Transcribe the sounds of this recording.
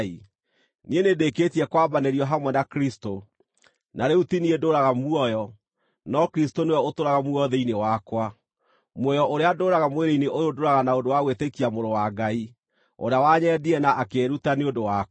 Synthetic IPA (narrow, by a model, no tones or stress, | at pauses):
i | nienedeketiɛkwabaneɾiɔɦamwɛnakɾisto | naɾeutiniedoɾaɣamuɔjɔ | nɔkɾistonewɛotoɾaɣamuɔðeinewakwa | mɔjɔʔoɾeadoːɾaɣamweɾeineʔojodoɾaɣanaodowaɣwetekiamoɾowaɡai | o̰ɾeawaɲɛdiɛnaʔːkeɾutaneodowa